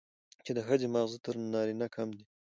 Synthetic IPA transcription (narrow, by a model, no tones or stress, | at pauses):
t͡ʃed̪əxəzemaɣzut̪əɾnɑɾinakʰamd̪i